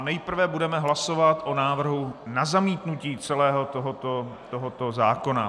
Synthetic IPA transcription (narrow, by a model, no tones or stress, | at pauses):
nɛjpr̩vɛbudɛmɛɦlaso̞vat̪ʔonaːvr̩ɦunazamiːt̪nuciːt͡sɛlɛːɦo̞t̪oɦot̪ot̪oɦot̪o̞zaːko̞na